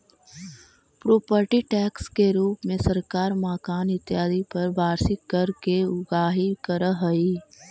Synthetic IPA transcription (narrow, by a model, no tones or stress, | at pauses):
pɾoːpəɾʈiʈɛːkskeɾuːpmẽsɐɾkaːɾmaːkaːnɪt̪jaːd̪ipɐɾbʱaːɾsikɐɾkeʊɡaːɦikəɾəɦɐiː